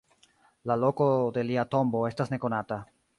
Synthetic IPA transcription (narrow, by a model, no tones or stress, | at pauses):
lalo̞ko̞de̞liato̞mbo̞e̞stasne̞ko̞nata